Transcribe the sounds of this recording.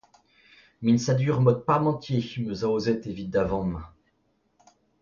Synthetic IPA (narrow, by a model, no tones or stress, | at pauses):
minsad̪yʁmɔt̪̚paʁmɑ̃t̪jemøzaozɛt̪evit̪̚d̪avɑ̃mɛ̃